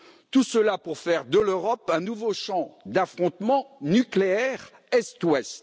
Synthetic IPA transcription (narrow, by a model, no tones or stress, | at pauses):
t̪usəlapuʁfɛʁd̪əløʁɔpɛ̃nuvoʃɑ̃d̪afχɔ̃t̪mɑ̃nykleɛʁ | ɛst̪wɛst̪